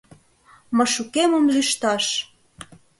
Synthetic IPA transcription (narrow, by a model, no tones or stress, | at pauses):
mɤ̆ʃukemə̆mlyʃt̪ɑʃ